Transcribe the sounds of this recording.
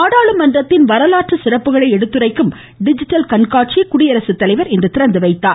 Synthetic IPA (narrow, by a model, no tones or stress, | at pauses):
aːɽaːɭɯmɐndrɐt̪ːɪnʋɐɾɐlaːʈrɯsɪrɐpːɯɣɐɭɐɪɛɽɯt̪ːɯrɐɪkːɯm | ɖɪd͡ʒɪʈːɐlkɐɳkaːʈ̚t͡ʃijɐkʊɽɪjɐɾɐsɯt̪ːɐlɐɪʋɐɾɪnd̪ɐt̪ɪɾɐnd̪ɯʋɐɪt̪ːaː